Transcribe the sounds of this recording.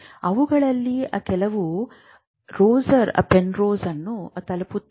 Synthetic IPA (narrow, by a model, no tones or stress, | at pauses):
ɐʋuɡɐɭɐlːiʔɐkɛlɐʋu | ɾoːzɐɾɐ̰penɾoːzɐnːuɐt̪ɐlɐput̪ː